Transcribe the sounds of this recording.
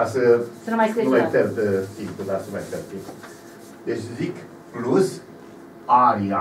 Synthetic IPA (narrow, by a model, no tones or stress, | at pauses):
asəsənumajeumajt̪ert̪əsimplud̪asənuma̰jt̪ert̪simplu | d̪et͡ʃʲzik | plus | ania